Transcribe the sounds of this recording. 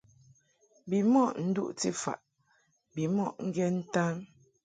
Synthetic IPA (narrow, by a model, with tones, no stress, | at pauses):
bi˨mɔ˦˨ʔn̩˦dṵ˦ʔti˦˨fa̰˨ʔ | bi˨mɔ˦ʔŋ̩˦ɡjɛ˦n̩˦ta˦ŋ